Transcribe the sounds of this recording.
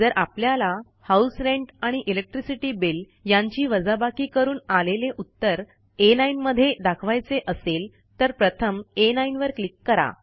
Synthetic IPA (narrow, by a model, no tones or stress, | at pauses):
d͡zəɾʔapljala | hausɾeɳʈaɽ̃iʔilek̚ʈɾisiʈiːbil | jaɲt͡ɕiːʋəd͡zabakiːkəɾuːnaleleʔut̪ːəɾ | enainməd̪ʱːjed̪akʰʋajt͡seʔəsel | t̪əɾpɾət̪ʰəmenainʋəɾklikːəɾa̰